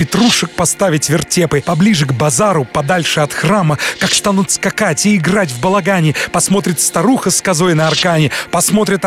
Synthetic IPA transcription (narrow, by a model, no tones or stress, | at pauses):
pʲɪt̪ɾuʂɨk̚pɐst̪avʲɪtʲvʲɪrtʲepɨpɐblʲiʐɨɡbɐzaɾʊpɐd̪alʲʂɨɐt̪xraməkakst̪anut̪skɐkatʲɪːɡratʲvbəlˠɐɡanʲɪpɐsmo̞t̪̬ɾʲɪt̪st̪ɐɾuxəskɐzo̞jnɐɐrkanʲɪpɐsmo̞t̪ɾʲɪt̪